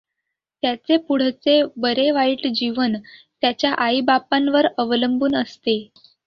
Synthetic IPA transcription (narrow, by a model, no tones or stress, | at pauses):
t̪jat͡sepuɽ̤t͡sebəɾeʋaiːʈd͡ʑiʋənt̪jat͡ɕjaʔaibapãnʋəɾəʋləmbuːnəst̪e